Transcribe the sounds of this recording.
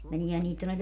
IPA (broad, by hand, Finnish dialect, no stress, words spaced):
meniehæn niːt tonːel